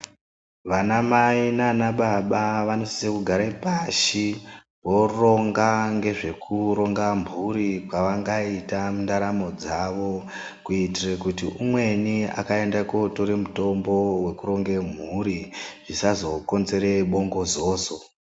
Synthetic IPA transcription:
ʋanamainanaɓaɓaʋano̞si̥sekuɡʱaɾapaʃi | ʋo̞ro̞ŋɡaŋɡe̞ʐe̞kʰuɾo̞ŋɡambʱuɾikwaʋaŋɡaitamundaɾamo̞d͡zaʋo | kuitirekutiʔumwe̞nia̰kae̞ndakoto̞ɾe̞muto̞mbo̞we̞kuɾo̞ŋɡe̞m̤uɾiʐisazo̞ko̞nze̞ɾe̞ɓo̞ŋɡo̞zoːzo

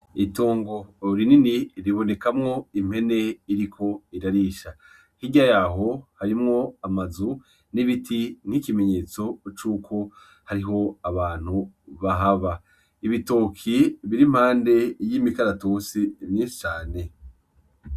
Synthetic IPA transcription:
itoːŋɡo̞ɾininiɾiβo̞ne̞kamŋo̞im̥he̞ne̞iɾikʰo̞iɾaɾiːʃa | hiɟajaɦo̞haɾimŋo̞amazu | niβitʰiŋ̥hikime̞ɲe̞ːt͡so̞t͡ʃuːkʰo̞ | haɾiɦo̞aβaːn̥huβaɦaβa | iβitoːkʰiβiɾim̥haːnde̞jimikaɾatoːsimɲiːsi̥t͡ʃaːne̞

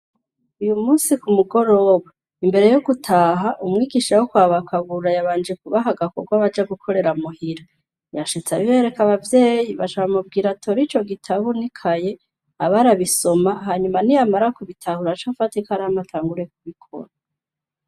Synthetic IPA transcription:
ujumuːsikumuɡo̞ɾo̞ːβa | imbe̞ɾe̞joɡutʰaːɦaʔumŋiːɡiʃawokwaːβakʰaβuɾajaβaːnd͡ʒekuβaɦaɡakoɡwaβad͡ʒaɡukʰo̞ɾe̞ɾamuhiɾa | jaʃit͡saβiβe̞ɾe̞kaβavje̞ːjiβaʃaβamub̚ɡiːɾatʰoɾit͡ʃo̞ɡitʰaβunikʰaje̞ | aβaɾaβiso̞maɦaɲumanijamaɾakuβitʰahuɾat͡ʃofatikaɾaamatʰaːŋɡuɾe̞k̚uβikʰo̰ɾa

